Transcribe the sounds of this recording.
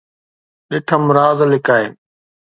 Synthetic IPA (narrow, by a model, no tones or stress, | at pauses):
ɗɪʈʰəmɾaːzlɪkaːḛn